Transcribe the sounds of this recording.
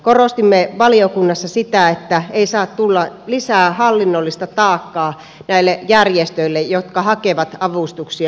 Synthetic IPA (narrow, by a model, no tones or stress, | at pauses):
korost̪imːeʋɑliokunːɑsːɑsit̪æet̪ːæeisɑːt̪t̪ulːɑlisæːhɑlːinːolːist̪ɑt̪ɑːkːɑː | næilːejærjest̪øilːejjot̪kɑhɑkeʋɑt̪ɑʋust̪uksiɑ